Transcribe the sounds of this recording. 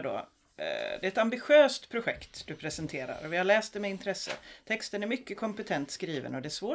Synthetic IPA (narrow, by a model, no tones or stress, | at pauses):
ɖo̰ | d̪ɛːɛt̪ambɪɧøːst̪pʰɾʊɧɛkt̪d̪̥ɵpʰɾɛsənt̪ʰeːɾa̰ɾɔvɪhaɭɛːst̪̚d̪ɛmɛɪnt̪ʰɾɛsːə̰t̪ʰɛkst̪ənæɾmʏkːəkʰɔmpɛt̪ʰɛnt̪skɾiːvə̰nɔd̪ɛæʂvoː